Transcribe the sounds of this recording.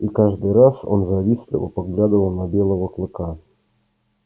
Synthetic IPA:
ikaʐd̪ɨjɾaso̞̰nzɐvʲisʲɪlʲˠɪ̰və̰paɡlʲad̪əvəlˠnɐbʲe̞lˠəvəklˠɨka

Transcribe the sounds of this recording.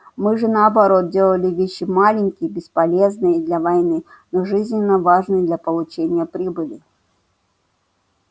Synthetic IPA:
mɨʐɨnɐːbaɾɔt̪̚d͡zʲelˠəlʲɪvʲeɕːɪmalʲɪnʲkʲijbʲɪspalʲeɛznɨjəd̪lʲɐvajnɨ | nɔʐɨzʲnʲɪnːəvaʐnɨjd̪lʲɐpəlˠʊt͡ɕenʲːɪjəpɾʲibɨlʲi

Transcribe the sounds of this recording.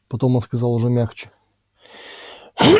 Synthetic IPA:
pɐt̪o̞monskɐzɑlˠʊʐɛmʲaxt͡ɕɪ̥

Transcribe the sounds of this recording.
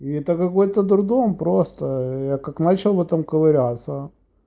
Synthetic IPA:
iɛt̪əkɐko̞jt̪əd̪ɾʊd̪ompɾost̪əjakaknat͡ɕɪlˠvɛt̪əmkəvɐɾʲat̪sə

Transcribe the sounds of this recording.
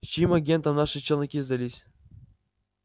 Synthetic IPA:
t͡ɕimaɡʲent̪əmnɑʂɨt͡ɕĕlʲˠnʲikʲizd̪alʲisʲ

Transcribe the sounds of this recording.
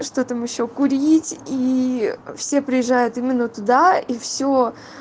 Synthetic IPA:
ʂt̪o̞t̪amjɪɕːo̞kʊɾʲitʲi | fsʲe̞pɾʲɪjɪʐːajʊt̪imʲɪnːət̪ʊd̪aifsʲo

